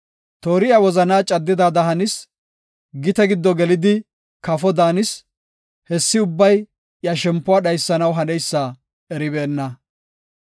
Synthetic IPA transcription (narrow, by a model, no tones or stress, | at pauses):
t̪oːɾɪjawɔzɐnaːt͡ʃʼɐd̪ːɪd̪aːd̪ɐɦɐnɪs | ɡɪt̪ɛɡɪd̪ːɔɡɛlɪd̪ɪ | kɐfɔd̪aːnɪs | hɛsːɪʊbːɐj | jɐʃɛmpːʊaːɗɐjsːɐnɐwɦɐnɛjsːa | ɛɾɪbeːnːɐ